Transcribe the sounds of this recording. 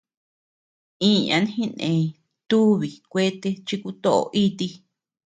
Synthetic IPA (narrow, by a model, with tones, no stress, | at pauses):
ĩ˦ɲã̰˧n˦hĩ˦nḛ̃˧ĩ˧ | t̪u˦βi˨kʷe˦t̪e˦t͡ʃi˧ku˧t̪o˦ʔo̰˧ʔi˦t̪i˧